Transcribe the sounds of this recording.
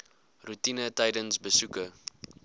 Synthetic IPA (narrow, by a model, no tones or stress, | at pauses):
rutinətəjdənsbəsukə